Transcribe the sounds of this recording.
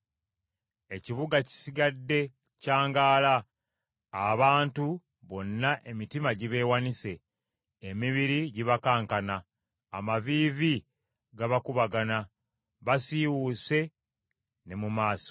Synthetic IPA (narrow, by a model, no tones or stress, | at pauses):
e̞ciβuɡaci̥siɡadːe̞ | caːŋɡaːlaː | βaːntu | βo̞nːaʔe̞mitimaɟiβe̞ːwanise̞ː | miβiɾiɟiβakaːŋkanaː | maviːvi | ɡaβakuβaɡana | βasiwuːse̞ | ne̞mumaːso̥